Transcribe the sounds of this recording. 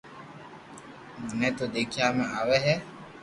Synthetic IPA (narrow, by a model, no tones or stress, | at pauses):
munɛt̪odekiamɛ̃awɛɦɛ